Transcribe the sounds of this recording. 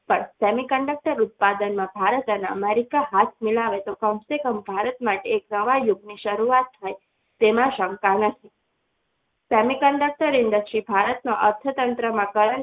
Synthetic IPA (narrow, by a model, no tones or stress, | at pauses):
pəɳsɛmikəɳɖək̚ʈəɾʊt̪̚pad̪ənmãbʱaɾət̪ənaəmeɾikaɦat̪ʰmilaʋet̪okəmsekəmbʱaɾət̪maʈeːknəʋajʊɡniʃəɾuat̪̚ːʰaj | t̪emãʃə̃ŋkanət̪ʰi | sɛmikəɳɖək̚ʈəɾɪnd̪əkʃibʱaɾət̪noʔəɾt̪ʰət̪ənt̪ɾəmãkəɾə